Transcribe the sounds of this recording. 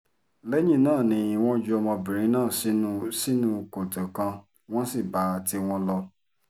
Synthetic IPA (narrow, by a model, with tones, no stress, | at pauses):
lɛ˦jĩ˦˨˦nãː˦˨nĩ˧˦˧w̃ɔ̃˦d͡ʒu˦ɔ˧mɔ̃˧bĩ˨ɾ̃ĩ˨˦nãː˦˨si˨˦ũ˧si˦nũ˦ko˨tẽ˨kã˧ | w̃ɔ̃˦si˦˨ba˨˦˧ti˧˦w̃ɔ̃˧lɔ˧